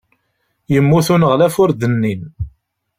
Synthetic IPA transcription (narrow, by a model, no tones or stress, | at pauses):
jəmːuθunʁlæfʊɾd̪ənːin